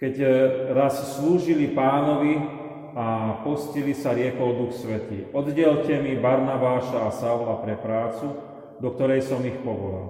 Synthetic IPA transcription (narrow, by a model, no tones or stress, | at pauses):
kɛɟɾassluːʒilipaːnɔʋi | apɔscilisaɾɪɛkɔld̪uxsʋɛt̪ḭːʔɔd̪ɟɛlcɛmibaɾnabaːʃaːsaulapɾɛpɾaːt͡su | d̪ɔk̚t̪ɔɾɛjsɔmixpɔʋɔla̰l